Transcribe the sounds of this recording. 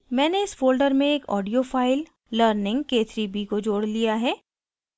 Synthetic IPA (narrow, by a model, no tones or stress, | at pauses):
mɛ̃ːneɪsfoːlɖəɾmẽeːkɔ̰ːɖijofaːɪlː | əːɾnɪ̃ŋɡkeːt̪ʰɾibikod͡ʒoːɽlijaɦɛː